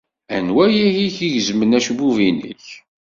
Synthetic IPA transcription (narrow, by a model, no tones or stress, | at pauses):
ænwæjæjiçiʝəzmənæʃbuvinə̰ç